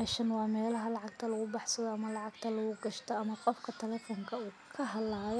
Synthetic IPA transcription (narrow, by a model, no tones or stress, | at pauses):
ɛʃɐnwɑːmɛːlɐɦɐlɑʕɑɡ̚t̪ʰɐlɐɣʊbɑħsɐðɔɐmɐlɑʕɑɡt̪ʰɐlɐɣʊɡɐʃt̪ʰɔɐmɐqɔfkʰɐt̪ʰɐlɛːfɔŋkʰɐuː | kʰɐɦɐlaːj